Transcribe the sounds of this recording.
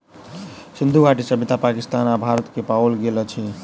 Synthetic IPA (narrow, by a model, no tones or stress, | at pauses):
sind̪ʱuɡaʈisəbit̪apakist̪anabʱaɾət̪kepaəlɡelət͡ʃʰi